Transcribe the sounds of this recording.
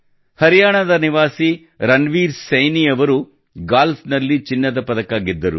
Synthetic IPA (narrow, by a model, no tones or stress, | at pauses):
hɐɾijaːɳɐd̪ɐniʋaːsi | ɾɐnʋiːɾsɐjnijɐʋɐɾu | ɡaːlsnɐlːit͡ʃinːɐd̪ɐpɐd̪ɐkaːɡid̪ːɐɾṵ